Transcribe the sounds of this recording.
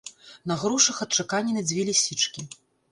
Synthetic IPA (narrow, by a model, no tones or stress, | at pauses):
nɐɣɾuʂɐxɐt̪̚t͡ʂakanʲːinɐd͡zʲvʲelʲisʲit͡ʂkʲi